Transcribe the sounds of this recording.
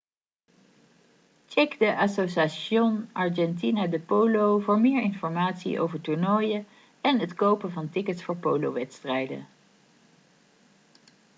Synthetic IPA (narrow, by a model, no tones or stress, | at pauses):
t͡ʃɛkdəʔɑsosaʃonɑɹd͡ʒɛnt̬inadəpowlowvʊːɹmɪːɹɪnfɔɹmaːtsḭʔo̰wvəɹtuɹnɔjə | ɛnɦətkowpənvɑntɪkətsfʊːɹpowlo̰wʋɛtstrɛjdə̰